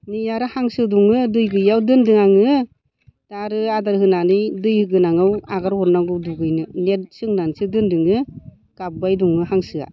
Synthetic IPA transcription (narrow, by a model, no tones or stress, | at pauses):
nijaɾɯhaŋsɯduŋɯdɯjɡɯjawdɯndɯŋaŋɯ | taɾɯadaɾhɯnanɯjdɯjhɯɡɯnaŋɯwaɡaɾhɔɾnaɡɯwduɡɯjnɯnet̚sɯŋnansɯdɯndɯŋɯ | ɡ̥ab̚bajduŋɯhaŋsɯa̰